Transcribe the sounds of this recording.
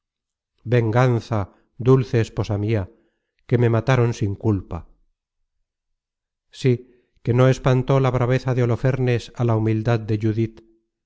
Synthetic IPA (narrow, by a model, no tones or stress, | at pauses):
be̞ŋɡanθa | d̪ulθe̞ːspo̞samia | ke̞me̞mat̪aɾo̞nsiŋkulpa̰ | si | ke̞no̞e̞spant̪o̞laβ̞ɾaβ̞e̞θaðeo̞lo̞fe̞ɾne̞salaumild̪aðd̪e̞ʝuðit̪